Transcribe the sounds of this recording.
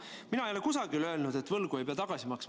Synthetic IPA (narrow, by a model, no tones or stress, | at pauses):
minɑejolekus̬ɑɡ̥ilø̞ːlnud̪̥e̞t̪ːˑvɤlɡ̥uejpeɑt̪ɑɡ̥ɑsimɑks